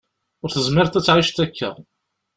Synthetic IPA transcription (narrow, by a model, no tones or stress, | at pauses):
ʊɾθəzmɪɾt̪æt͡sːʕiʃt̪ækːə̰ʁ